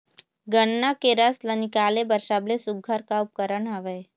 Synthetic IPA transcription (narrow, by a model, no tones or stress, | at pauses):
ɡəɳːakeɾəslənikaːlebəɾʃablesʊɡʱəɾkaʊp̚kəɾəɳɦɐʋeː